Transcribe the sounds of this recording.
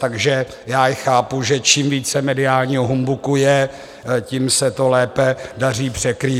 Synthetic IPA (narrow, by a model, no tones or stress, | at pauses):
t̪aɡʒɛ | jaːjɪxaːpuʒɛt͡ʃiːmviːt͡sɛmɛdɪaːlɲiɦoɦumbukujɛ | ciːmsɛt̪olɛːpɛdar̝iːpr̝̥ɛkɾiː